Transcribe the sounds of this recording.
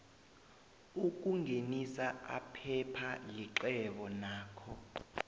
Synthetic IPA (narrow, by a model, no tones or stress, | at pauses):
uk̬ʼuŋenisaa̰pʰɛpʰaliǁɛɓɔnaːkʰɔ